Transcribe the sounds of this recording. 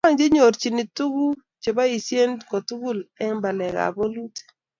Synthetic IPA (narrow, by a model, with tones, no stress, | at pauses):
a˦ŋd͡ʒe˦ɲo˨ɾt͡ʃi˨ni˨tu˦ɡu˦ | t͡ʃe˨ba˦i˨sje˦ndko˨tu˦ɡu˦˨lɛ˦ŋba˨lɛ˨ka̰˨bo˦lu˦te̥˨